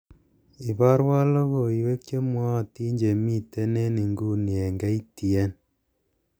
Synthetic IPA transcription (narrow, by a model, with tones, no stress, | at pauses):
i˨ba˦ɾwa˦lo˦ko˨i˨we˦k̚t͡ʃe˦mwɔ˦˨ti˦ɲd͡ʒe˨mi˦te˦ne˦ni˨ŋɡu˦ni˨e˨ŋɡa˦i˦ti˨ɛ˦n